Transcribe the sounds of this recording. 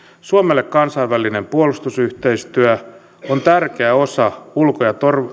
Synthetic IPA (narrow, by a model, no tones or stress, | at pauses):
suomelːekkɑnsɑiʋʋæline̞mpuolust̪usyht̪eist̪yæ | ont̪ærkeæo̞sɑulkojɑt̪or